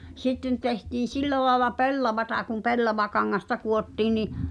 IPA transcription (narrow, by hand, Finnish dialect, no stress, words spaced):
sitːen tehtiːn̞ silːæ lɑelɑ pelːɑʋɑtɑ kum pelːɑʋɑkɑŋːɑstɑ kuotːiːn̆ niʔ